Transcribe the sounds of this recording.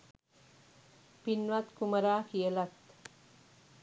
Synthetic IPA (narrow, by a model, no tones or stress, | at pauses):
pinʋat̪kuməɾakijelat̪